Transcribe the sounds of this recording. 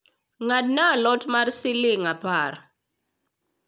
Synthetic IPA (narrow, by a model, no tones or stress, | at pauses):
ŋad̚nalɔtmarsɪlɪŋapaɾ